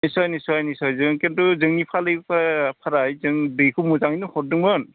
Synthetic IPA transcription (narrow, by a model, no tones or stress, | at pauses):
nisɔjnisɔjnisɔjzɯŋkentuzɯŋnipʰalɯjpʰapʰaɾajzɯŋbɯjkʰɯmuzaŋinɯhɔɾ̚dɯŋbɯn